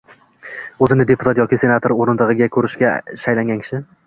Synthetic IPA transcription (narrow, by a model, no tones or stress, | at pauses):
ɵzɪnɪd̪e̞pʰʊt̪ʰat̪jɒkʲɪse̞nat̪ʰoɾoɾɪnd̪ˠɨʁɨɡʲakʰɵɾɪʃɡʲaʃajlaŋʲɡʲankʲʰɪ̥ʃɪ